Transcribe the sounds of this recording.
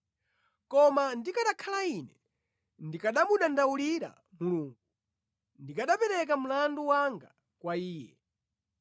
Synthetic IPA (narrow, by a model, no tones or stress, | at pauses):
kɔmandikaɗakʰalainɛ | ndikaɗamuɗandauliɾa̰ | muluːŋɡu | ndikaɗapɛɾɛk̬amulanduwaŋɡa | kwaiːjɛ